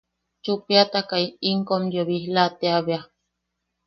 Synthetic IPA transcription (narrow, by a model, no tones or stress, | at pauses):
t͡ʃupiat̪akaiiŋkomjoβihlat̪eaβea